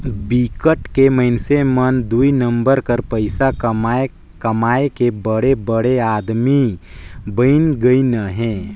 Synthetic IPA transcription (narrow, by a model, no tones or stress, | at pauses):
bikəʈkemɐɪnsemɐnd̪uinɐ̃mbəɾkɐɾpɐɪsa | kɐmaːekebəɽebəɽeaːd̪mi | bəɪnɡəinɐɦɛ̃ː